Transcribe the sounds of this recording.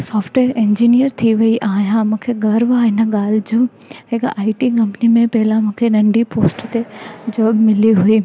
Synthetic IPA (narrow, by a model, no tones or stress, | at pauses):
sɔːfʈʋeːəɾẽːɲd͡ʑinijəɾt̪ʰiʋɐiʔaːɦijãmũːkʰeɡɐɾʋaɦɪnə̆ɠaːlɪd͡ʑũː | ɦɪkʔaːɪʈikɐ̃mpnimẽpɐɦɪlãmũːkʰenɐ̃ɳɖipoːsʈt̪ed͡ʑɔːbmɪliɦuiː